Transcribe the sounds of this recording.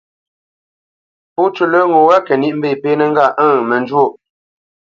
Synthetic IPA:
pu˦t͡ʃu˦˨lə˦ŋo˨wa˦kɛ˨ni˦ʔm̩˦be˦˨peː˦nə˦ŋ˦ɡa˦˨ʔə̃˦˨mə˨nd͡ʒwo˦˨

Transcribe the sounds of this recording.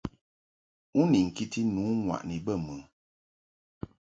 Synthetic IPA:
u˦ni˨ŋ̩˨ki˦ti˦nuː˨˦ŋwa̰˨ʔni˨bə˦˨mɨ˨˦

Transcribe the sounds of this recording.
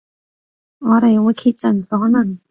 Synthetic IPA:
ŋɔː˨˧ɾe˨jwuː˨˧jkʰi˧t̚t͡sɐ˨˩nsɔː˨˥nɐ˨˩ŋ

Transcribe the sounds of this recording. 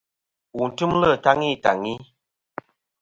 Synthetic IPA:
u˨n̩˨tɨ˦mlə˦˨ta˦ŋi˦˨ta˨ŋi˦

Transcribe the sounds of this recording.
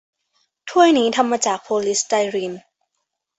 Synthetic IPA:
t̪ʰu˥˩əjniː˦˥t̪ʰa˧mːaː˧t͡ɕaː˨˩k̚pʰoː˧li˦˥st̪a˧jɾi˧n

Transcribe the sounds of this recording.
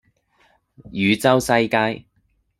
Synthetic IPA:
jyː˨˧t͡sɐ˥wsɐ˧jkaː˧j

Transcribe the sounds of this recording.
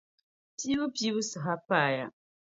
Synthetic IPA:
pi˦bu˦pi˦bu˦sɨ˨ɦa˦pa˦˨ja̰˨

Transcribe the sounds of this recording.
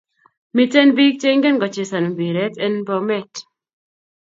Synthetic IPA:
mi˦tɛ˦nbi˦k̚t͡ʃe˦ŋɡɛ˦nɡɔ˨t͡ʃe˨sa˨no˨bi˨ɾɛ˦tɛ˦nbɔ˦mɛ˦˨t

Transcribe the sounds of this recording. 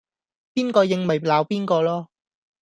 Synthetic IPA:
piː˥nkɔː˧jɪ˨ŋmɐ˨˩jlaː˨˧wpiː˥nkɔː˧lɔː˥

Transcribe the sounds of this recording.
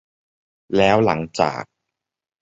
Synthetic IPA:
lɛː˦˥wla˩˦ŋt͡ɕa̰ː˨˩k̚

